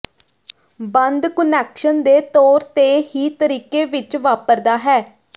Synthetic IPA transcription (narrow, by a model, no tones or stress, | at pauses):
bənd̪kənɛːkʃənd̪eːt̪oːɾt̪eːɦiːt̪əɾiːkeːʋɪt͡ʃʋaːpəɾd̪aːɦɛː